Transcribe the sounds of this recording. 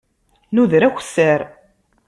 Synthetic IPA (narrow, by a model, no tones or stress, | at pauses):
nuðɾæç̥ʷsːəɾ